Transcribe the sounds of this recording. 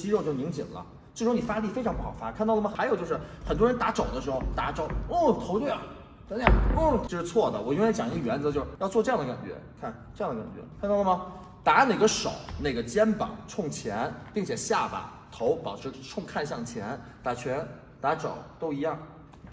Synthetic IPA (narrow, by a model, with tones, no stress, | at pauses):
t͡ɕi˥ɻo˥˧ʊt͡ɕjo˥˩ʊni˧˥ŋt͡ɕḭ˨˩nlə̰˦ | ʈ͡ʂʈ͡ʂʰɻni˨˩fa˥li˥˩fe˥ɪʈ͡ʂʰɑ˧˥ŋp̬u˥˩xɑ˨˩ʊfa˥kʰa˥˧nt̪ɑ˥˩ə˩mə˩xa˧˥ɪjʊt͡ɕjʂ̩˥˩xə˨˩nt̪wɻə˧˥nt̪a˧˥ʈ͡ʂo˨˩ʊd̪ə˦ʂɻ̩˧˥xo˥˧ʊt̪a˧˥ʈ͡ʂo˧˥˩t̪ʰo˧˥˩a˨˩˥ | n̩ʰ˥˩˥o˥˧ʂɻ̩˥˧t͡sʰwɔ˥˩d̪ə̰˩wɔ˨˩jt͡ɕjɑ˨˩ŋ˧˥ɡə˧ɥɛ˧˥nd͡zt͡ɕjo˥˧ʊʂjɑ˥˧ʊt͡swɔ˥˧ʈ͡ʂɤ˥˧jɑ˥ŋd̪ə˩ka̰˨˩nt͡ɕɥɛ̰˧˥kʰa˥˩˧nʈ͡ʂɑ˥˩ŋd̪ə˩ka̰˨˩nt͡ɕɥɛ̰˧˥kʰnt̪ɑ˥˩ʊlə˩mɐ˩ | t̪a˧˥ne˥˩ɡə˦ʂo˨˩˦ʊne˥˩ɡə˩t͡ɕjɛ˥npɑ̰˨˩˦ŋʈ͡ʂʰʊ˥˩ŋt͡ɕʰjɛ˧˥npi˥˩ŋt͡ɕʰjɛ˨˩ɕja˥˩ba̰˨˩ | t̪ʰo˧˥ʊpɑ˨˩ʊʈ͡ʂʰɻ̩˧˥ʈ͡ʂʰʊ˥˧ŋkʰa˥˧nɕjɑ˥˩ŋt͡ɕʰjɛ˧˥nt̪a˧˩t͡ɕʰɥɛ˧˥n | t̪a˧˥ʈ͡ʂo̰˨˩˦ʊt̪o˥ʊi˧˥jɑ˥˩ŋ